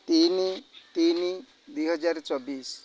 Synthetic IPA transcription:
t̪init̪ini | d̪ujɦəd͡zaɾt͡sɔbiːs

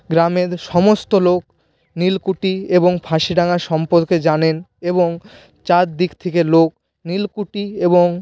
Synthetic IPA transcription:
ɡɾameɾʃɔmost̪olok | nilkuʈieboŋpʰaʃiɖaŋaʃɔmpoɾked͡ʑaneneboŋ | t͡ɕaɾd̪ikt̪ʰekelok | nilkuʈieboŋ

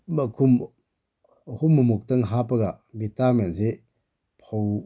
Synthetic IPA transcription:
bakʰum | humːumuk̚tɐŋɦapɐɡa | bitamenze | pʰow

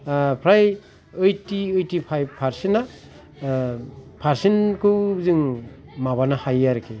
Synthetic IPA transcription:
pʰɾaj | ɯjtiɯjtipʰajbpʰaɾsina | pʰaɾsinkɯzɯŋ | maβanahajaɾkʰe

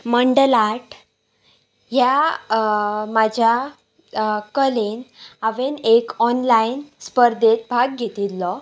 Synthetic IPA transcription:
məɳɖəlaʈ | ɦja | mad͡ʑʱja | kəlenaʋenekɔnlainspəɾd̪et̪̚bʱaɡ̚ɡʱet̪ilːɔ

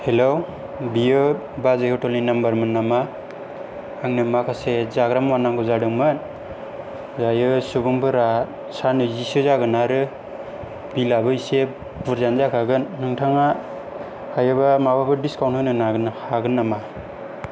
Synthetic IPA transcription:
helo | bijɯ | bazehotɔlinambaɾmɯnːama | aŋnɯmakʰasezaɡɾamwanaŋɡuzadɯŋmɯn | zajɯsubuŋbʰɯɾa | sanɯzisɯzaɡɯnaɾɯ | bilabɯise | buɾzanzakʰaɡɯnːɯŋtʰaŋa | hajɯbamababɯdiskawnthɯnɯnaɡɯnhaɡɯnːama

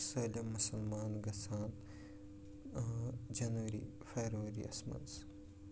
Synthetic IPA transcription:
sɐlʲɐmːusɐlmaːnɡɐsaːn | d͡ʒɐnʋɐɾḭ | feːɾɐʋɐɾḭʔɐ̰smɐ̰ns

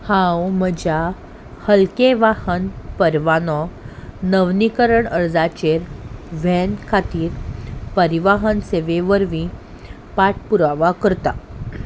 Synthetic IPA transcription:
hãwməd͡ʑa | həlkeʋahənpəɾʋanɔnəʋnikəɾəɳəɾd͡zat͡ɕeɾʋɛnkʰat̪iːɾpəɾiʋaɦənseʋeʋəɾʋĩ | paʈ̚puɾaʋakəɾt̪a

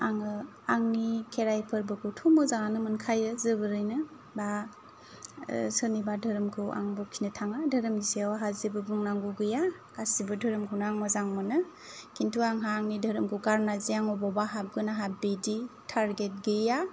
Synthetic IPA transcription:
aŋɯ | aŋnikʰeɾajpʰɯɾbɯkʰɯtʰumɯzaŋanɯmɯnkʰajɯzɯbɯɾɯjnɯ | ba | sɯnibadʱɯɾɯmkʰɯwa̰ŋbɔkʰinɯtʰaŋadʱəɾɯmiseawaɦazibɯbɯŋnaŋɡuɡɯja | kasibɯdʱɯɾɯmkʰuwnaːŋmɯzaŋmɯnɯ | kʰintʰuaŋɦaːŋnidʱɯɾɯmkʰɯwɡaɾnaziaŋɔbɔbaɦap̚ɡɯnaɦabeditʰaɾɡet̚ɡɯja

